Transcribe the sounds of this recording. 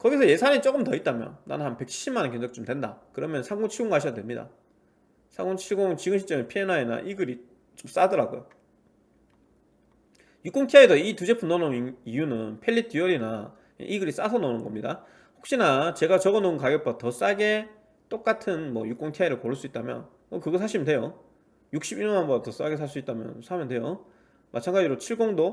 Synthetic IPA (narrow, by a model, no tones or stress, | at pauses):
kʌɡisʰʌje̞sʰaɲit͡ɕ͈ok͈ɯmtʌit̚t͈amjʌ̰nna̰nɯnhanpe̞k̚ɕʰi̥ɕ͈ʰimanenkend͡ʑʌk̚t͡ɕ͈omdwe̞nda̰kɯɾʌmjʌnsʰaɡoŋt͡ɕʰiɭɡoŋkaɕʰijadwemɲida̰ | sʰaŋɡoŋt͡ɕʰiɡoŋt͡ɕiɡɯmɕʰit͡ɕ͈ʌmenpʰienaena̰ʔiɡɯɾi | t͡ɕ͈oms͈adʌɾaɡo̰jo | juk͈oŋtʰjaidʌitud͡ʑe̞pʰunːʌnonijunɯnpʰeɭːit͈iʌɾina̰ | ḛʔiɡɯɾis͈asʰʌnʌnɯnɡʌmɲida̰ | ɸok̚ɕ͈inat͡ɕe̞ɡat͡ɕʌɡʌnonkaɡjʌpʰoatʌs͈aɡe̞ | t͈ok͈atʰɯnmʌjuk͈oŋtʰiaiɾɯɭkoɭs͈uit̚t͈amjʌ̰n | ʌkɯɡʌsʰaɕʰimntwe̞jo | juk̚ɕ͈ibiɲʌŋɦambʌɡtʌs͈aɡe̞sʰaɭs̬͈uit͈̚amjʌ̰nsʰamjʌndwe̞jo | mʔat͡ɕʰaŋɡad͡ʑiɾot͡ɕʰiɭɡoŋdo